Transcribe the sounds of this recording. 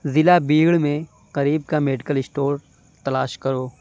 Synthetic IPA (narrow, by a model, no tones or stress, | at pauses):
zɪlabiːɡɭmẽ | qɐɾiːbkameːɖɪkəlɪsʈoːɾ | t̪ɐlaːʃkɐɾoː